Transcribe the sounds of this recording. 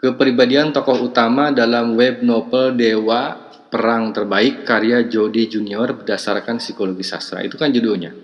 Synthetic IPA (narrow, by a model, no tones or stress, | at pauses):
kəpɾibadiant̪ɔkɔhut̪amadalamwɛb̚nobəldewa | pəɾaŋt̪ərbaɪkːaɾiad͡ʒodid͡ʒuniɔrbədasarkansikoloɡisa̰sɾa̰ḭt̪ukand͡ʒuduɲa̰